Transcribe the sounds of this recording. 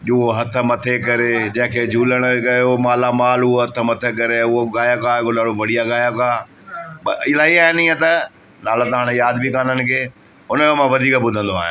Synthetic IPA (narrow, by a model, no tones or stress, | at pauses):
ɦoɦɐt̪ʰə̆mɐt̪ʰekɐɾed͡ʑɐ̃ɦɪ̃kʰeːd͡ʑʱuːləɽ̃kɐjomaːlamaːlʊoɦɐt̪ʰə̆mɐt̪ʰek̬ɐɾeʊɦoɡaːjakaɪkoɗaːɽoʋɐɽ̤ijaɡaːjakaː | ɓɪlaːiaːɦenĩːə̃t̪ɐ | naːlat̪aaːɽ̃ejaːd̪bʱikaːnənɪ̆kʰeː | ʊnəmomãʋɐd̪ʱiːkəbʊd̪ʱə̃nd̪oa̰ːɦj̰ã̰